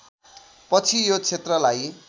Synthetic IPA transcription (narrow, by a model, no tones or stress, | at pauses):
pʌt͡sʰijot͡sʰet̪rʌlaj